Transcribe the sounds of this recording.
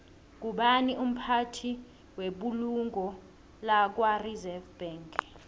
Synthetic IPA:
k̬ʼuɓaniʔum̩pʰatʰi | weɓuluŋɡʱɔ | lak̬warizɛfb̥ɛŋk

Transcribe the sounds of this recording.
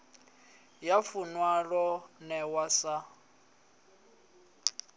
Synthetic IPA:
jafunwaɺɔnɛwasa

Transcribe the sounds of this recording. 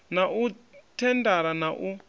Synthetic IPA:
naʔutʰɛndaɾanaʔu

